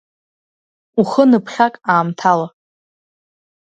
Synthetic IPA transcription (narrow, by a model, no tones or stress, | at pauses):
uχənɨpʰχʲakʼaːmtʰala